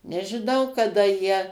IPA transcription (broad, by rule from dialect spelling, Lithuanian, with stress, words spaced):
nʲɛʒʲɪˈnɐʊ kɐˈdɐ jiɛ